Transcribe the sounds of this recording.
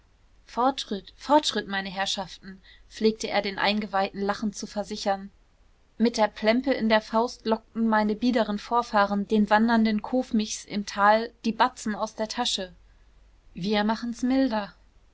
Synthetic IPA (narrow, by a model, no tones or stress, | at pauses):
fɔɐtʃʁ̥ɪtfɔɐtʃʁ̥ɪtmaɪnəɦɛɐʃaftn̩ | p͡fleːk̚təʔeːɐdeːnʔa̰ɪnɡəvaɪtn̩laχn̩t͡sufɛɐzɪçɐn | mɪt̚d̥eːɐpʰl̥ɛmpəʔɪndeːɐfaʊstlɔk̚tn̩maɪnəbiːdəʁənfoːɐfaːʁənd̥eːnvandɐndənkʰoːfmɪçsɪ̰mtʰaːld̥iːbat͡sn̩aʊsd̥eːɐtʰaʃə | viːɐmaχn̩smɪldɐ